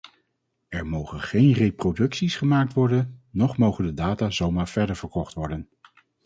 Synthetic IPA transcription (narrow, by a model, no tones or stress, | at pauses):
ɛɹmowχənχejnrejprodɵksisχəmaːk̚tʋɔɹdənːɔχmowχəndədaːtaːzowmaːɹv̥ɛɹdəɹv̥əɹkɔχtʋɔɹdən